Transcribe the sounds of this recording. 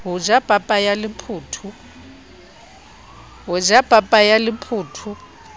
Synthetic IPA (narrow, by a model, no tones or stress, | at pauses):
ɦʊd͡ʒab̥ʼʱapʼajalɪpʰuːtʰu | ɦʊd͡ʒab̥ʼʱapʼajalɪpʰʊːtʰʊ